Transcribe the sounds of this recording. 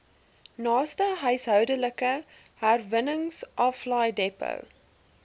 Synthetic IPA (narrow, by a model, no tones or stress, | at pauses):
nɑːstəɦœɥsɦœwdələkə | ɦærvənəŋsʔɑflɑjdɛpə̰w